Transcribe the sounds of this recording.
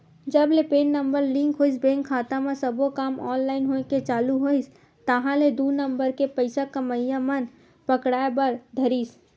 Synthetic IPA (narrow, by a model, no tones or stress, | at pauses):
d͡ʒəblepeːnːəmbəɾlɪ̃ŋkɦoːisbẽːŋkʰːaːt̪amẽsəbokaːmɔːnlaːɪnɦoket͡ʃaːluɦois | t̪əɦãled̪uːnəmbəɾkepəɪsakəməjjamən | pəkɽaːebəɾd̪ʱəɾiːs